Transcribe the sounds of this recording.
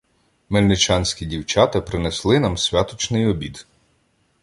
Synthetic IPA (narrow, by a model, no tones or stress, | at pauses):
melʲnɪt͡ʃɑnʲsʲkʲidʲiwt͡ʃɑt̪ɐpɾɪneslˠɪnɑmsʲʋʲat̪ɔt͡ʃnɪjɔbʲid̪